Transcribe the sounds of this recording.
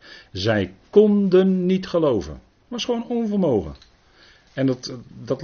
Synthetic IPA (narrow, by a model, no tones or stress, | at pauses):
zɛjkɔndənːitχəlowvə̰n | tʋɑsχʋownɔnvəlˠmowχə̰ | ɛntdɑt